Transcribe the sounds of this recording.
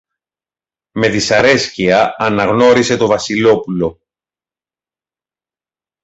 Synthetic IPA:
me̞ðisɐɾe̞sciɐɐnɐɣno̞ɾise̞t̪o̞vɐsilo̞pulo̞

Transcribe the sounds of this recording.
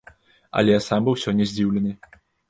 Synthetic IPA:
ɐ̰lʲɛsambɨwsʲɔnʲːɛzʲd͡zʲiwlʲɛnɨ

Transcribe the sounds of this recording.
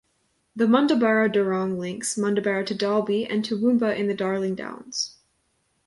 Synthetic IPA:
ðɨmʌ̃ndəbɛɹoʊdə˞ɔ̃ŋlɪ̃ŋksmʌ̃ndɨbɛɹoɾʰɨdɑlˠbiɨ̰̃ntʰɨwʉ̃mboʊʔɨ̃nðɨdɑɹlˠɪ̃ŋdã̰ʊ̃nz̥

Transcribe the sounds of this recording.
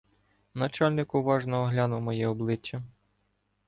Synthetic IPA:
nɐt͡ʃɑlʲnɪkʊʋɑʒnɔɦɔɦlʲɑnʊwmɔjɛɔblˠɪt͡ʃːɐ

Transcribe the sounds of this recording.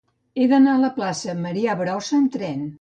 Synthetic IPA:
eðənaələplasəməɾiaβɾɔsəːnt̪ɾɛn

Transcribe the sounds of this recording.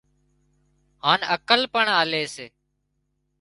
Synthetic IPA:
haːnəkəlpəɳaːleːseː

